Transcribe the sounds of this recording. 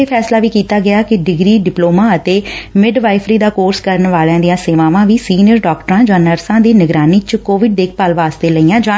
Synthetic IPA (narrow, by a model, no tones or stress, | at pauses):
eːpʰɛːslaːʋiːkiːt̪aːɡɪaːkɪɖɪɡɾiːɖɪploːmãːət̪eːmɪɖʋaːɪfʰɾiːd̪aːkoːɾskəɾənʋaːlãːd̪ɪjãːseːʋãːʋãːʋiːsiːnjəɾɖɔːkʈəɾãːd͡ʒãːnəɾsãːd̪iːnɪɡɾaːniːt͡ʃəkoːʋɪɖ̚d̪eːk̚ʰpaːlʋaːst̪eːləiːãːd͡ʒã